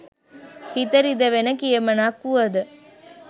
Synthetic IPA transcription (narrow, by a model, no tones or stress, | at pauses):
hit̪ɐɾid̪ɐʋenɐkiemɐnaːkːuɐd̪ɯ